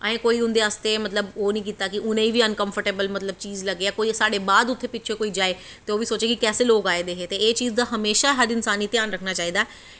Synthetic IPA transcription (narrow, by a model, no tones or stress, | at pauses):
əẽːkoːiːʊ̃nd̪eːaːst̪eːmət̪ləboːnəĩːk̬iːt̪aːkɪʔʊnẽiːʋiːə̃nkə̃mfʰəɾʈeːbəlmət̪ləb̚t͡ʃiːzləɡeːjaːkoːisaːɖeːbaːd̪ʊt̪ʰːeːpɪtːt͡ʃʰekoːiːd͡ʒaːeː | t̪eːoːʋiːsoːt͡ʃeːkikɛːseːloːkaːeːd̪eːɦeːt̪eeːt͡ʃiːzd̪aːɦəmeːʃaːɦəɾɪnsaːniːt̪jaːnɾəkʰnaːt͡ʃaːɦiːd̪aɛ